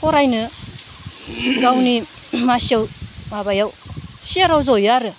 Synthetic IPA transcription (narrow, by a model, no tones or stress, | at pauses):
kɔɾajnɯ | ɡawni | masɯwmabajaw | siaɾawzojaɾɯ